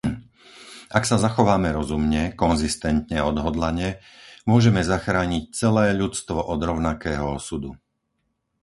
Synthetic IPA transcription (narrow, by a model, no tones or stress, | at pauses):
aksazaxɔʋaːmɛɾɔzumɲɛkɔnzist̪ɛnt̪ɲɛɔd̪ɦɔd̪laɲɛ | mʊɔʒɛmɛzaxɾaːɲic̚t͡sɛlɛːʎut͡st̪ʋɔʔɔd̪ɾɔʊnakɛːɦɔɔsud̪u